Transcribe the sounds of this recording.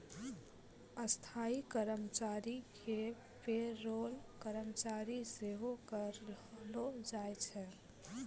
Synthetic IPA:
əst̪ʰaikəɾəmt͡ʃaɾike | peɾolkəɾəmt͡ʃaɾiseɦokəɾlod͡ʒajt͡ʃʰɛ

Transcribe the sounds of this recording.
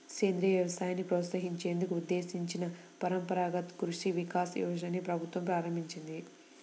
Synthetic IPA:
keːnd̪ɾijɐʋjɐʋɐsaːjɐnːipɾɐːt̪sɐɦiɲt͡ʃe̞ːnd̪ukuud̪ːe̞ːsiɲt͡ʃinɐ | pɐɾɐmpɐɾaːɡɐt̪kɾuʂiʋikaːsiṵʋɐʃɐnːipɾɐbʱut̪ʋɐmpɾaːɾɐmbʱiɲt͡ʃind̪i

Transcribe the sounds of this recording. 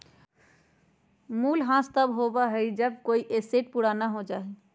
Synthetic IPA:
mulɦãst̪əbɦobaɦəjd͡ʒəb̚koiʔeseʈ̚puɽanaɦod͡ʒae

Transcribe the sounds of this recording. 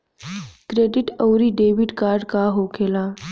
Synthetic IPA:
kɾeɖiʈəwɾiːɖeʋiʈkaɾɖkaɦokʰela

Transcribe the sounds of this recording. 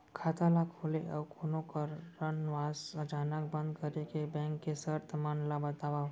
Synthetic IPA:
kʰaːt̪alakʰoleʔəwkʰonõkəːənʋaːsəd͡ʒaːnəkbə̃nd̪kəɾekebɛ̃ŋkːesəɾt̪əmanlabət̪aːʋa

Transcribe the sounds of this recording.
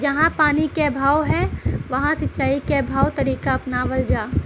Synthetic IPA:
d͡ʒɐɦãpaːnikebʱaːwɦɛʋɐɦãsɐtːt͡ʃaːikebʱaːwt̪ɐɾiːkaɐpnaʋɐld͡ʒaː

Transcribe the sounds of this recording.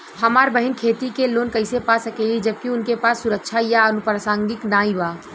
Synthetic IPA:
həmaːɾbəɦɪnkʰeːt̪ikeloːnkəɪsepasəkeːlid͡ʒəb̚kiʊnkepaːsːʊɾəkʃʰajaənupɾəsãːŋɡɪknaːĩbaː

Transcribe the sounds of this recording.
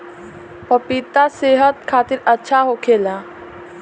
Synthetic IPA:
pəpit̪aseːɦət̪kʰaːt̪ɪɾətːʃʰaɦokʰeːla

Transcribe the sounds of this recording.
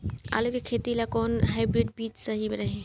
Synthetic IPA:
a̰ːlukekʰeːt̪ilakɔːnɦaɪbɾɪɖ̚biːt͡ʃsəɦimeɾəɦẽ

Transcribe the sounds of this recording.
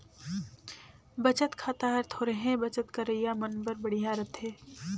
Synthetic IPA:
bət͡ʃət̪kʰaːt̪aɦəɾt̪ʰɦoːɾeɦẽbət͡ʃət̪kɐɾəijamənbəɾbəɽ̤ijaɾət̪ɦẽː

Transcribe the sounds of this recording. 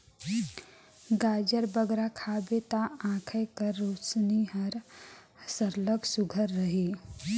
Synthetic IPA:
ɡaːd͡ʒəɾbəɡɾakʰaːbet̪aãːkʰəjkəɾːoːt͡ʃniɦəɾ | səɾləksuɡʱəɾːəɦi

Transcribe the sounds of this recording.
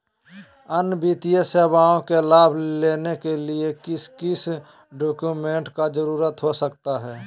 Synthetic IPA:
ənbit̪ijəseːbaːõkelaːbʱleːnekeliekɪskɪs | ɖoːkjumẽːɳʈkad͡ʒəɾuːɾət̪ɦosəkt̪aɦɛː

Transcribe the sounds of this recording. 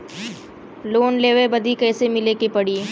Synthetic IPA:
loːnleːʋebɐd̪ʱikɛːsemɪleːkepɐɽi

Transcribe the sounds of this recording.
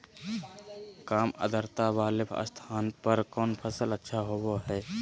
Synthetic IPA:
kaːmə̰d̪ʱəɾt̪aʋaːlepʰə̰st̪ʰaːnpəɾkɔːnpʰəsələtːʃʰaɦoboɦɛː

